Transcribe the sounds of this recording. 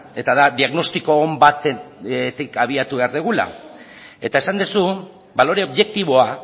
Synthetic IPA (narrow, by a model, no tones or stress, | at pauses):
e̞t̪aðaðiaɣno̞st̪iko̞mbat̪et̪ikaβ̞iat̪uβe̞aɾðeɣ̞ula̰ | e̞t̪ae̞sand̪usu | balo̞ɾe̞o̞βʝe̞k̚t̪iβ̞o̞a